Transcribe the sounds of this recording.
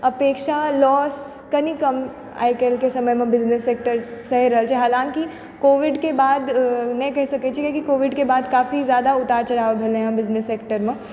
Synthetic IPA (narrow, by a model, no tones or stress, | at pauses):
ɐpeːkʃalɔːs | kɐnikɐm | a̰jkelkesɐməjmẽbɪznesːeːk̚ʈəɾsɐɦiɾɐɦəlt͡ʃʰeɦaːlãːŋki | koːʋɪɖkebaːd̪nɐkɐɦisɐkɛt͡ʃʰikekikoːʋɪɖkebaːd̪kaːfizjaːd̪aʊt̪aːɾt͡ʃɐɽaːʋbʱelẽɦãbɪznesːeːk̚ʈəɾmẽ